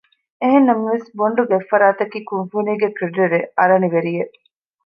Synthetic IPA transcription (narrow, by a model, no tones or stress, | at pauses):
eɦenːɐmɐʋesboɳɖuɡefːɐɾaːt̪ɐkiːkunfuniːɡekɾiɖeɾeʔɐɾɐniʋeɾije